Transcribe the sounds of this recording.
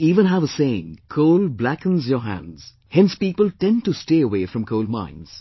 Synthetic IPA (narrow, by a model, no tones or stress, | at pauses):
iːvə̃nɦævəsẽɪ̃ŋkʰoʊlˠblækə̃nzjə˞ɦæ̰̃ndz̥ | hɛ̃nspiːpəlˠtɛ̃ntusteɪəweɪfɹʌ̃mkʰoʊlˠd̚mã̰ɪ̃nz̥